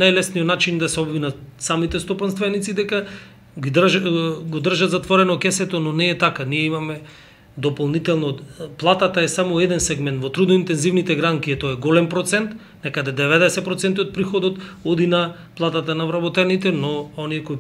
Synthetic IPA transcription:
najlɛsnijɔt̪nat͡ʃind̪asɛɔbvinasamit̪ɛst̪ɔpanst̪vɛnit̪sid̪ɛka | ɡid̪rʒɡod̪r̩ʒat̪zat̪vɔɾɛnɔkɛsɛt̪ɔnɔnɛːt̪akaniɛimamɛ | d̪ɔpolˠnit̪ɛlˠnɔplˠat̪at̪aɛsamɔɛd̪ɛnsɛɡmɛnt̪vɔt̪ɾud̪nɔint̪ɛnzivnit̪ɛɡɾaŋkiɛt̪ɔɛɡɔlɛmpɾɔt̪sɛnt̪ | nɛkad̪ɛd̪ɛvɛd̪ɛsɛt̪pɾɔt̪sɛnt̪iot̪̚pɾixɔd̪ɔt̪ɔd̪ina | plˠat̪at̪anavɾabɔt̪ɛnit̪ɛnɔɔniɛkoj

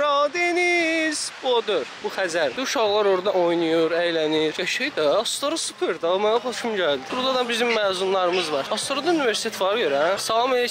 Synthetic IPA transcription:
ɾɑːd̪inizod̪uɾbuxæzæɾd̪uʃɑɣlˠɑɾoɾd̪ɑʔojnujuɾæjlæniɾvɛʃejd̪æːst̪oɾosɯ̥pʰeɾd̪amænabʰoʃumɟæld̪iɾlˠɑd̪ɑbizimːæːzunlˠɑɾɯmɯzvɑɾɑst̪oɾod̪ɑuniveɾsi̥t̪ʰet̪ʰvɑɾɡøɾæsɑlˠɑme

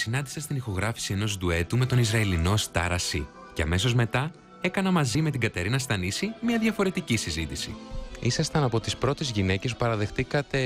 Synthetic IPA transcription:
sinɐnd̪isɐst̪inixo̞ɣɾɐfi̥sie̞no̞zd̪ue̞t̪ume̞t̪o̞nizɾɐilino̞st̪ɐ̰ɾɐsḭ | ceɐ̰me̞so̞zme̞t̪ɐ | e̞kɐnɐmɐzime̞t̪iɡɐt̪e̞ɾinɐst̪ɐnisimɲɐðʝɐfo̞ɾe̞t̪icisizit̪isḭisɐst̪ɐnɐpo̞t̪ispɾo̞t̪e̞zʝine̞ce̞su̥pɐɾɐðe̞xt̪ikɐt̪e̞

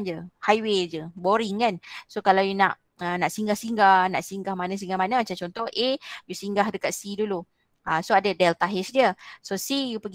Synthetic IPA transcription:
nd͡ʒəhajwed͡ʒəboɾiŋkansokalawjunaʔ | ənaʔsiŋɡahsiŋɡahna̰ʔsiŋɡahmanə̃s̬iŋɡahmanəmat͡ʃamt͡ʃɔnt̪ɔhʔejusiŋɡahdəkat̪̚sidulu | əsoadədɛlt̪aɦɛsdiəsosijupəɡ

